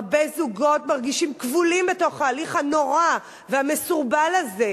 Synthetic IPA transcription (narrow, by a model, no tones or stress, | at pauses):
bezuɡo̞tmaʁɡiʃimkvulimbeto̞χhaːliχhano̞ʁa | veamesuʁbalaze